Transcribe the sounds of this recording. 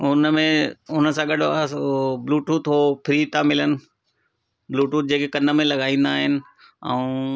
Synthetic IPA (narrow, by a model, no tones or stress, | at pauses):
ʊnəmẽʊnə̆sãɠɐɖ | bluːʈuːt̪ɦopʰɪɾit̪amɪlənɪ̆ | bluːʈuːt̪̚d͡ʑeːkekɐnə̆mẽlɐɡaːĩːn̆d̪aːɦɪnɪ̆ | ɛũː